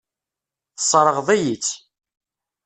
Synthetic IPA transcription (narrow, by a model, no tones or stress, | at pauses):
θsˤːɾˤəʁðˤæjit͡sː